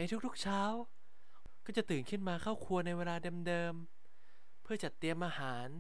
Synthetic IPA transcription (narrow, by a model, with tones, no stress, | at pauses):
na˧jt̪ʰu˦˥k̚t̪ʰu˦˥k̚t͡ɕʰaː˦˥w | kɔː˥˩t͡ɕa˨˩t̪ɯː˨˩nkʰɯ˥˩nmaː˧kʰaː˥˩wkʰu˧ɐna˧jweː˧laː˧dɤː˧mdɤː˧m | pʰɯ˥˩ɐt͡ɕa˨˩t̪ːi˧əmʔaː˧haː˩˦n